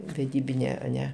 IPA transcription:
ʋʲɛˈdʲiːbʲɪnʲeː ɐˈnʲɛ

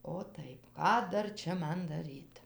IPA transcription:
oː tɐɪ ˈkɑː ˈdɐr ˈt͡ʃʲɛ ˈmɐn ˈdɑːrʲiːt

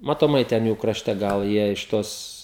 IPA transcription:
mɐtoːˈmɐɪ ˈtʲɛn ˈjuː krɐˈʃʲtʲɛ ˈɡɐlˠ ˈjiɛ ɪʃ ˈtoːs

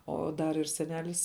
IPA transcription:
ˈoː ˈdɐr ɪr sʲɛˈnʲæːlʲɪs

